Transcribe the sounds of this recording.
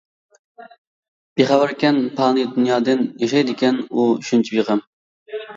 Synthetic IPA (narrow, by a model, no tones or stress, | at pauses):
b̥eχɑwɨɾkʲɛnpʰɑːnɨd̪unjɑːd̪ɨnjeʃɛjd̪ɪkʲɛnuyʃynt͡ʃʰibeʁəm